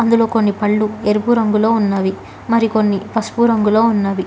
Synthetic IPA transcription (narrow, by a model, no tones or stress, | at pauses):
ɐnd̪ulo̞ːko̞nːipɐɭːueɾubuɾɐŋɡulo̞ːunːaːʋi | mɐɾiko̞nːipɐspuɾɐŋɡulo̞ːunːaːʋi